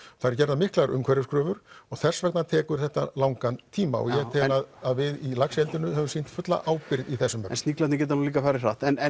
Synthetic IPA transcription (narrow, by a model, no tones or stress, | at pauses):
θaɪɾcɛɾðamɪhklaɾʏmkʰvɛɾjʏskɾœːvʏɾ̥ɔɣθɛr̥svɛkt̪nat̪ʰɛːkʏɾ̥θɛht̪a̰lawŋkant̪ʰiːma̰ɔ̰ɣjɛt̪ʰɛːaðaðvɪðilaksɛlt̪ɪnʏɦɛvʏmsiːn̥t̪fʏt̪la̰ʔaːwpɪɾðiθɛsːʏmɛ̰nst̪niklant̪ɪcɛːt̪anuliːkafaːɾɪɾraht̪ɛnɛ